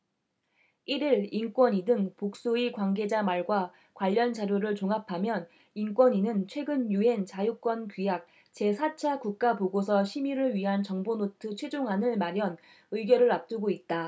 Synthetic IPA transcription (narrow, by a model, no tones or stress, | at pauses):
iɾiɾink͈wʌɲidɯŋpok̚s͈uikwanɡe̞d͡ʑamaɭɡwa | kwaʎːʌnt͡ɕaɾjoɾɯɭt͡ɕoŋapʰamjʌn | ink͈wʌɲinɯnt͡ɕʰwe̞ɡɯnjue̞nt͡ɕajuk͈wʌnpijak̚ | t͡ɕe̞sʰat͡ɕʰakuk̚k͈apoɡosʰʌɕʰimiɾɯɭɥiɦant͡ɕʌŋbonotʰɯt͡ɕʰwe̞d͡ʑoŋɦanɯɭmaɾjʌn | ɯiɡjʌɾɯɾap̚t͈uɡoit̚t͈a